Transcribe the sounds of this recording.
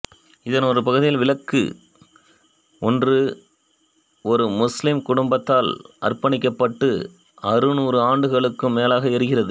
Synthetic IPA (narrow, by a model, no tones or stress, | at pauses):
ɪðɐnɔɾɯpɐɣɯðɪjɪlʋɪlɐkːɯ̰ | ɔndrɯ | ɔɾɯmʊslɪmkʊɽʊmbɐt̪ːaːlʔɐ̰rpɐɳɪkːɐpːɐʈːɯ | ɐrɯnuːɾɯaːɳɖɯɣɐɭɯkːɯmːeːlaːɣɐɛɾɯɣɪrɐðɯ